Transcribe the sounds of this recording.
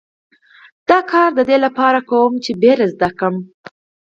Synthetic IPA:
d̪̥ɑkʰɑɾd̪əd̪elapɑɾakawəmt͡ʃebeɾazd̪akəm

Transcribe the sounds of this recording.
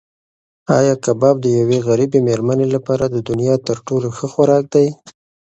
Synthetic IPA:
ɑjɑkabɑb̚d̪əjaweɣaɾibemeɾmanelapɑɾad̪əd̪ʊnjɑt̪əɾʈoloxəxwaɾɑk̚d̪aj

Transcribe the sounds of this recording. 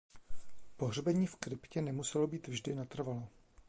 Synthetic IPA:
poɦrbɛɲiːfkɾɪpcɛnɛmusɛlo̞biːt̪vʒdɪnat̪r̩valo

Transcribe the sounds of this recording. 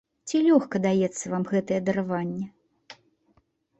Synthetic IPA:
t͡sʲilʲɔxkɐd̪ajɛt̪sːɐvamɣɛt̪ɐjɛd̪ɐɾavanʲːɛ

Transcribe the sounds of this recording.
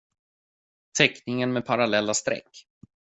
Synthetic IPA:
t̪ʰɛknɪŋənmɛpʰaɾalɛlːast̪ɾɛ̰kː

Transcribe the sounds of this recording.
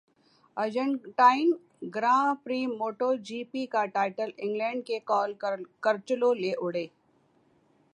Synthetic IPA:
əd͡ʒəɳʈaːɪn | ɡɾãːpɾiːmoːʈod͡ʒiːpikaʈaːɪʈəlɪ̃ŋɡlɛ̃ːɳɖ̚kekɔːlkəɾt͡ʃəloleːʔʊɽeː

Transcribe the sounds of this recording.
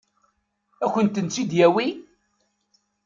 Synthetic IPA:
æçənt̪ənt͡sːid̪jæwi

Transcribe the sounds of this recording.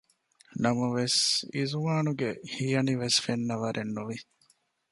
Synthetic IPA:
nɐmɐʋesizuʋaːnuɡehijɐniʋesfenːɐʋɐɾʔenːuʋi

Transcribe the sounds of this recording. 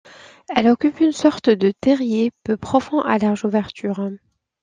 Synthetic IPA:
ɛlɔkʲypynsɔʁt̪d̪ət̪ɛʁjepøpχɔfɔ̃ʔalɛʁʒuvɛʁt̪yːʁ

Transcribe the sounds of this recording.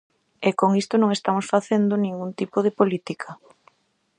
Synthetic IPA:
ɛkoŋist̪onõŋest̪amosfaθend̪onĩŋɡunt̪ipoð̞epolit̪ikʰɐ

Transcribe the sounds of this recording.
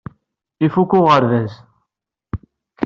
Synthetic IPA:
ifukːʊʁəɾvæz

